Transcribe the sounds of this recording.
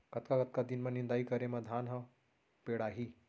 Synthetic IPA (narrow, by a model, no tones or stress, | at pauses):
kɐt̪kakət̪̚kad̪inmɐnːĩnd̪aːikəɾẽmɐd̪ʱaːnɦə̃ | peɽaːɦiː